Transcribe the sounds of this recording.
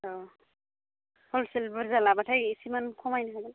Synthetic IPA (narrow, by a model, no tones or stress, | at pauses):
ɔ | hɔlsilbɯɾzalabatʰajisimankʰɔmajnaɦaɡɛl